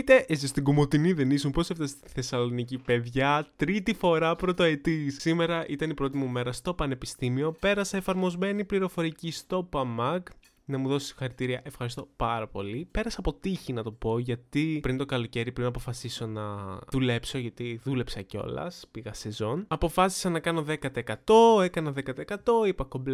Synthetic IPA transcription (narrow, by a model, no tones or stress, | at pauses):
it̪e̞ʔesist̪iɡumo̞t̪iniðenisumpo̞seft̪ɐst̪iiθe̞sɐlo̞nicipe̞ðʝɐt̪ɾit̪ifo̞ɾɐpɾot̪oet̪issime̞ɾɐʔit̪ɐnipɾo̞t̪̬imume̞ɾɐst̪o̞pɐne̞pist̪imio̞pe̞ɾɐsɐefɐɾmo̞zme̞nipliɾo̞fo̞ɾicist̪o̞pɐmɐk | nɐmuðo̞so̥st̪i̥xɐɾit̪iɾiɐʔefxɐɾist̪opɐɾɐpo̞̰lipe̞ɾɐsɐːpo̞t̪içinɐt̪o̞po̞ʝɐt̪ipɾint̪o̞kɐlo̞ce̞ɾipɾinɐpo̞fɐsiso̞nɐðule̞pso̞ʝɐt̪iðule̞psɐceo̞̰lɐ̰spiɣɐse̞zo̞nɐpo̞fɐsi̥sɐnɐkɐno̞ðe̞kɐt̪eekɐt̪o̞e̞kɐnɐðe̞kɐt̪eekɐt̪o̞ipɐko̞bl